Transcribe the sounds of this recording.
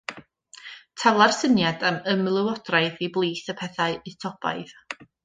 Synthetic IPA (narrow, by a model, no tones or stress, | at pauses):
tʰalˠarsənjadaməmlˠɨwɔdraɨðiblˠiːθəpʰɛθaɨɨtʰɔb̥a̰ɨð